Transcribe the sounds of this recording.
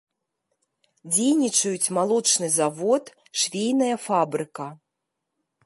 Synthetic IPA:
d͡zʲejnʲit͡ʂɐjut͡sʲmalˠɔt͡ʂnɨzavɔt̪ | ʂvʲejnɐjɐfabɾɨkɐ

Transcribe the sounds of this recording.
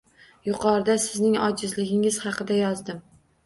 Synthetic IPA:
jʊqʰɒɾɪd̪asɪznɪŋɒd͡ʒɪzlɪɡʲɪŋɪz̥hɑqɨd̪ajɒzd̪ɪm

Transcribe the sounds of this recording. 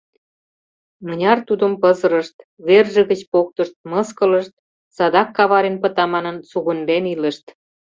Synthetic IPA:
mə̆nʲɑrt̪ud̪ə̆mpɤzə̆ɾəʃt̪βerʒə̆ɣə̆t͡ɕpok̚t̪ə̆ʃt̪̚mɤ̆skə̆lə̆ʃt̪̚ | sɑd̪ɑkːɑβɑɾenpə̆t̪ɑmɑnənsuɣə̆nd̪enilə̆ʃt̪

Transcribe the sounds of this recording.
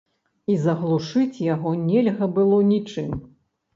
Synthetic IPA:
izɐɣlˠuʂɨt͡sʲjaɣɔnʲɛlʲɣɐbɨlˠɔnʲit͡ʂɨm

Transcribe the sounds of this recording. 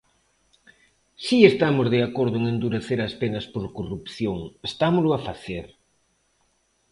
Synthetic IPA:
siest̪amʊzð̞eakoɾð̞ʊeŋend̪uɾeθeɾɐspenɐspoɾkorupθjoŋest̪amolʊafaθeɾ

